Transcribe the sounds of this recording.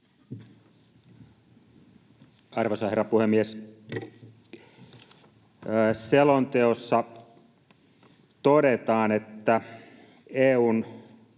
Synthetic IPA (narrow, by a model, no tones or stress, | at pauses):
ɑrʋosɑherːɑpuhemːies | selont̪eosːɑ | t̪oɾet̪ɑːnet̪ːæ | eːuːn